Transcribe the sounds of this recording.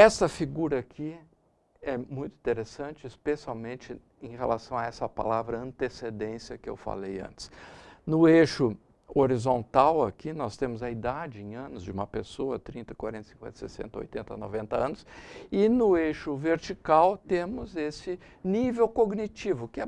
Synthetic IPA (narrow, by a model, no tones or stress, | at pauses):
ɛsɐfiɡuɾɐakʰi | ɛmũj̃t̪ʊĩt̪eɾesɐ̃nt͡ʃɪɪspesiawmẽnt͡ʃɪ | ẽj̃helasɐ̃w̃ɐɛsɐapa̰lavɾɐɐ̃nt̪esed̪ẽsiɐkɪḛwfa̰lejɐ̰̃nt͡ʃɪ̥snʊeʃʊ | oɾizõnt̪awakinɔst̪ẽmʊzɐid̪ad͡ʒɪẽj̃ɐ̃nʊzd͡ʒɪũmɐpesoɐt̪ɾĩnt̪ɐkwaɾẽnt̪ɐsĩ̥kwḛ̃t̪ɐ̥sḛsḛ̃nt̪ɐo̰jt̪ẽnt̪ɐ̰no̰vẽnt̪ɐɐ̃nʊsɪnʊeʃʊveɾt͡ʃikawt̪ẽmʊzesɪ | nivewkoɡnit͡ʃivʊkɪɛ